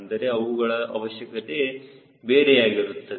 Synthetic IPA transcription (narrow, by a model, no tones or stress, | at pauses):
nd̪ɐɾe̞ɐʋuɡɐɭɐʔɐ̰ʋɐʃjɐkɐt̪e | beːɾeaːɡiɾut̪ːɐ